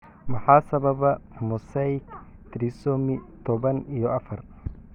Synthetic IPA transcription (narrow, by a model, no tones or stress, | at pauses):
mɑħɑːsɐβɐβɐmʊsɛk | t̪ʰɾisɔːmɪt̪ʰɔβɐnijɔɐfɐr